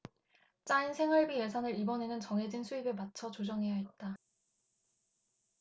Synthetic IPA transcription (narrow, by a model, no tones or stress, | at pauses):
t͡ɕ͈ainsʰe̞ŋɦʌɭbije̞sʰanɯɾibʌne̞nɯnt͡ɕʌŋɦe̞d͡ʑinsʰuibemat͡ɕʰʌt͡ɕod͡ʑʌŋɦe̞jaɦet̚t͈a